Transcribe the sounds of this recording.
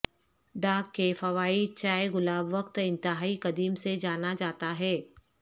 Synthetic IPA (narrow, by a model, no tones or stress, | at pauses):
ɖaːkːefɐʋaːit͡ʃaːjɣʊlaːbʋɐkt̪ɪ̃nt̪ɪɦaːikɐd̪iːmsed͡ʒaːnad͡ʒaːt̪aɦɛː